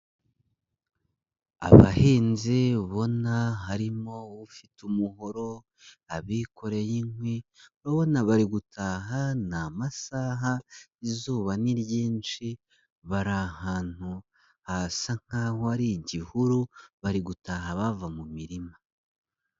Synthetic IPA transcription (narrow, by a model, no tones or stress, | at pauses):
a̰βa̰heːnziβo̞naɦaɾimo̞βufitumuɦo̞ɾo̞ | aβikʰo̞ɾe̞jinweβaβo̞naβaɾiɡutʰaɦanamasaɦaizuːβaniɾɟiːnt͡ʃi | βaɾahaːn̥hu | hasaŋ̥haːhoaɾiɟihuɾuβaɾiɡutaːhaβavamumiɾima